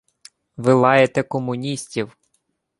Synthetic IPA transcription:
ʋɪlˠɑjet̪ɛkɔmʊnʲisʲtʲiw

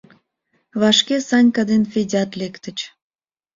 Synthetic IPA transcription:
βɑʃkesɑnʲkɑd̪enfʲedʲɑt̪lekt̪ə̆t͡ɕ

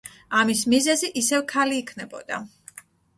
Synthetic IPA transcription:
amismizɛziʔisɛvkʰaliːkʰnɛbɔ̰d̪a̰

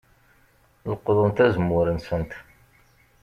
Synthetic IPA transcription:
ləqːðˤənt̪æzmːʊɾənsənt̪

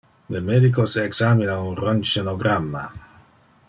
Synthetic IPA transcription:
lemed̪ik̬oseːksaminaunront͡ʃenoɡɾamːa̰

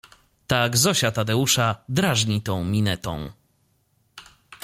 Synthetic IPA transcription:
t̪aɡzɔɕat̪ad̪ɛuʂad̪ɾaʐɲit̪ɔ̃w̃mʲinɛt̪ɔ̰̃w̃

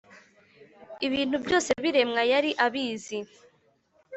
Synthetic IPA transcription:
iβiːn̥hubjo̞ːse̞βiɾe̞mŋajaɾiʔaβiːzi

